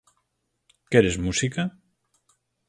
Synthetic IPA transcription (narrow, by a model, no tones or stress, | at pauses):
keɾezmusikɐ